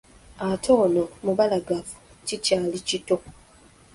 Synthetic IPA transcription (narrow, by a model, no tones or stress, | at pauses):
atʰo̞ːnomuβalaɡafu̥cicaːlicito